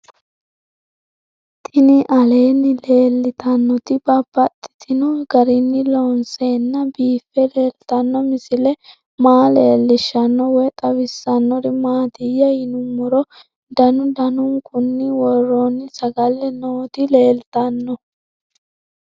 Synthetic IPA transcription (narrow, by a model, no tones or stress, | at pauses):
t̪ʼɪnɪʔɐle̞ːnːɪle̞ːlːɪt̪ɐnːɔt̪ɪbɐbɐt̪ʼːɪ̥t̪ʰɪnɔɡɐɾɪnːɪlɔnseːnːɐbiːfːɛle̞ːlt̪ɐnːɔmɪsɪlɛ | maːleːlːɪʃːɐnːɔwɔt̪ʼɐwɪsːɐnːɔɾɪmaːt̪ɪjːɐjɪnʊmɔɾɔ | d̪ɐnʊd̪ɐnʊŋkʰʊnːɪwɔrːonːɪsɐɡɐlːɛnoːt̪ɪle̞ːlt̪ɐnːɔ